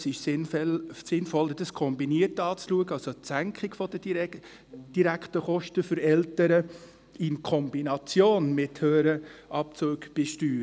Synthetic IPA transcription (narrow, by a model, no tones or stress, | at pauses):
sɪʃsɪnfsɪnfɔlədəskʰɔmbiniəɾtɑːt͡sluəɡəɑlsotsæŋkχɪɡ̥fɔd̥ə | d̥iɾæktəχɔʃtəfʏɾɛltəɾə | ɪnkʰɔmbinɑt͡sjoːnmɪthøːɾəʔɑpt͡suːɡb̥ɛʃtyː